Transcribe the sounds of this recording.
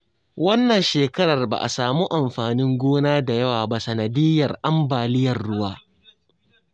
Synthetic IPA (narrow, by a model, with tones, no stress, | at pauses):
wɐ˦nːɐ˨nʃeː˨kɐ˦ɽɐ˨rba̰˨ʔa̰˨saː˨mu˦ʔa˨mɸaː˨nɪ˦ŋɡʷoː˦naː˦da˨jɐ˦waː˨ba˦sɐ˨nɐ˨dɪ˦jɐ˨rʔa˦mbaː˨lɪ˦jɐ˨rɽʊ˦waː˦